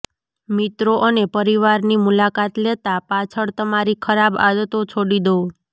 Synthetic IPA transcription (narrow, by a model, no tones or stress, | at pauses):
mit̪ɾoʔənepəɾiʋaɾnimulakat̪let̪apat͡ʃʰəɭt̪əmaɾikʰəɾaba̰d̪ət̪ot͡ʃʰoɽid̪o